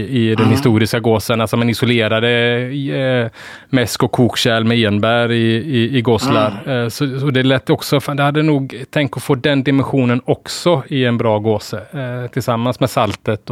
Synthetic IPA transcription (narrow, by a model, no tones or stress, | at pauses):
ɪd̪ɛnhɪst̪uːɾɪskaɡoːsənalsɔmanɪsɔleːɾad̪ə | mɛskɔkʰːuːkɕɛlmɛeːnbæɾɪɪːɡoːslaɾsɔɔd̪ɛlɛt̪ːɔksɔfd̪ɛhad̪ːənuːɡt̪ʰɛŋk̚t̪ɔfoːd̪ɛnd̪ɪmɛnɧuːnənɔksɔɪɛnbɾɑːɡoːsət̪ʰɪlsamːansmɛsalt̪ət̪